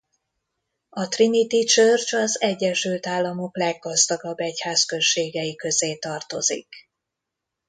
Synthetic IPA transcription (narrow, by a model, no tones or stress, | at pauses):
ɒt̪rinit̪it͡ʃørt͡ʃɒzɛɟːɛʃylt̪aːlːɒmo̞klɛɡːɒzd̪ɒɡɒbːɛchaːskø̞ʃeːɡɛjikø̞zeːt̪ɒrt̪o̞zḭk